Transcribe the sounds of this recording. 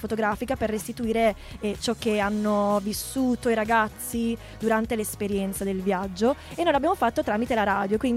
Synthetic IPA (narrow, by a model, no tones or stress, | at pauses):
fot̪oɡɾaːfikaperːest̪it̪uiːɾe | t͡ʃɔkːeanːovisːuːt̪oiɾaɡat̪sːi | d̪uɾant̪elespeɾjɛnt̪sad̪elvjad͡ʒːoenːojlabjamofat̪ːot̪ɾaːmit̪elaɾaːd̪jokwin